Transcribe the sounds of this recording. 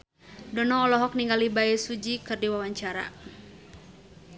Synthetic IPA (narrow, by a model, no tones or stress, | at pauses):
dɔnɔːlɔɦɔk̚niŋɡalibaɛsud͡ʒikɨrdiwawaɲt͡ʃaɾa̰